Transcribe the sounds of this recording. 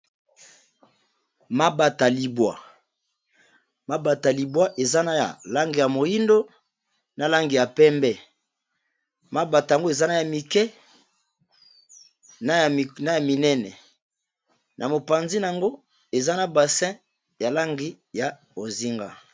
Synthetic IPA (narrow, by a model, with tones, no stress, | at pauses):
ma˦ba˨ta˨li˨bwa˨ | ma˦ba˨ta˨li˨bwa˦ʔe˨za˦na˦ja̰˨la˦ŋɡi˨ja˨mo˨ji˦ndo˦ | na˨la˦ŋɡi˨ja˨pɛ˦mbɛ˦ | ma˦ba˨ta˨ja˨ŋɡo˦e˨za˦na˦ja˨mi˨kɛ˦ | n˦˨na˦ja˨mi˨nɛ˦nɛ˨ | nʔa˨mo˨pa˨nzi˦n˨a˨ŋɡo˦ | e˨za˦na˨ba˨sɛ̃˦ | ja˨la˦ŋɡi˦ | ja˨ | o˨zi˦ŋɡa̰˦